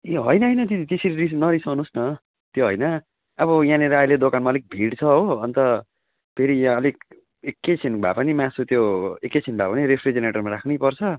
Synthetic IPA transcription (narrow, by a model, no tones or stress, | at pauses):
eɦʌjnʌɦʌjnʌt̪id̪it̪eseɾiɾisnʌɾisʌwnusnʌ | t̪joɦʌjnʌ | ʌbʌjãneɾajled̪okanmaʌlik̚bʱiɽt͡sʰʌɦoʌnt̪ʌ | pʰeɾiãʌlik̚ | ekːet͡sʰinbʱa̰pʌnimãsut̪joekːet͡sʰinbʱapʌniɾepʰrid͡zeneʈʌrmaɾakʰnipʌrt͡sʰʌ